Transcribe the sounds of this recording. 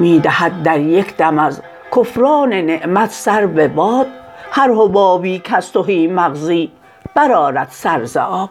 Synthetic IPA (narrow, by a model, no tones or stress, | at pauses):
miːd̪æhæd̪̚d̪æɾjekʲʰd̪æmæz | kʰofɾɒːneneʔmæt̪ʰsæɾbebɒːd̪̥hæɾhobɒːbiːkʰæst̪oɦiːmæɣziː | b̥æɾɒːɾæd̪̥sæɾzḛʔɒːb̚